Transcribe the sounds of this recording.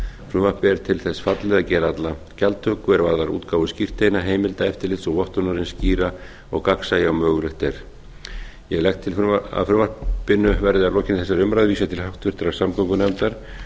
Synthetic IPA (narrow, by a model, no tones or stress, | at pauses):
fɾʏːvahpɛɾt̪ʰɪlθɛsfat̪lɛðacɛːɾaat̪la | calt̪ʰœːkʏɛɾvaðlaɾṵːt̪kaːwvʏscir̥t̪ejnaɦeːjmɪlt̪aɛft̪ɪɾlɪt̪sɔɣvɔht̪ɔnaɾɪnsciːɾa | ɔɣkaksajawmœːɣlɪht̪ɛɾ̥ | jɛɣlɛxt̪ʰːɪla̰fɾʏːmapɪnːʏvɛɾðɪalɔːcɪnθɛs̬ːaɾʏmɾaðviːsat̪ʰɪlhawt̪vɪɾ̥t̪ɾḁsamkɔŋkʏnɛmt̪aɾ̥